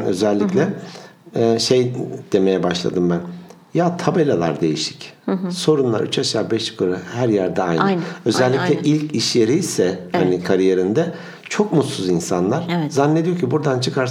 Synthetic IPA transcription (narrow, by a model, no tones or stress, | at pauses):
ø̞̰zɛlʲːiclʲɛ | ʃe̞jd̪̥e̞me̞jɛbaʃlˠa̰d̪ɯmbæn | jaːt̪ʰabe̞lʲalˠaɾd̪e̞jiʃi̥cso̞ɾunlˠa̰ɾyt͡ʃʰaʃaːbɛʃkʰɯɾahæɾjæɾd̪ɛajnø̞zɛlʲːiclʲɛʔilʲciʃje̞ɾijsɛhanikʰaɾije̞ɾind̪ɛ | t͡ʃʰo̞kmut̪suzinsanlˠaɾ̥zanːed̪ijo̞cʰibuɾd̪ant͡ʃʰɯkʰaɾ